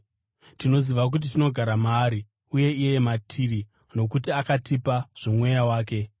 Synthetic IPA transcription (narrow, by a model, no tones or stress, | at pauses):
tino̞ziʋak̬ut̬itino̞ɡʱaɾamaːɾi | uje̞ijematʰiri | no̞kutiakatipaʐ̥omwe̞jawaːk̬e̞